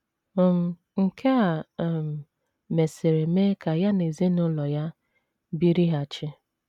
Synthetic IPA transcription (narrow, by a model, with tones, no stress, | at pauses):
ɔ˨m̩˦ | ŋ̩˨kʰe˦a˨m̩˨ | me˨se˨ɾe˨me˦ka˨ja˦ne˨ze˦nʊ˦lɔ˨ja˦ | bi˦ɾi˦ɦa˨t͡ʃɪ˦